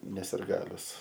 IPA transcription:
nʲɛ sʲɪrˈɡɑːlʲʊs

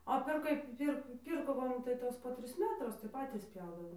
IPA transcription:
oː pʲɛr ˈkɐɪp ˈpʲɪr ˈpʲiːrkoː ˈʋɐ nʊ tɐɪ ˈʋɐ ˈtoːs poː ˈtʲrʲɪs ˈmʲæːtrʊs tɐɪ ˈpɑːtʲiːs ˈpʲjɛʊdɐʋoːm

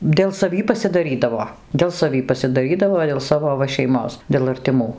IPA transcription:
dʲeːlˠ sɐˈʋʲiː pɐsʲɪdɐˈrʲiːdɐʋoː dʲeːlˠ sɐˈʋʲiː pɐsʲɪdɐˈrʲiːdɐʋoː dʲeːlˠ ˈsɑːʋoː ˈʋɐ ʃʲɛɪˈmoːs dʲeːlˠ ɐrʲtʲɪˈmuː

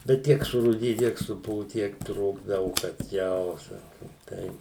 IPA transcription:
bʲɛt ˈtʲiɛk sʊruːˈdʲɪjʊ ˈtʲiɛk sʊˈpʊʋʊ ˈtʲiɛk ˈtruːɡdɐʋʊ kɐt ˈjɛʊ ˈsɑːkoːm ˈtɐɪ

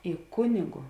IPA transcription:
ɪ ˈkʊnʲɪɡʊ

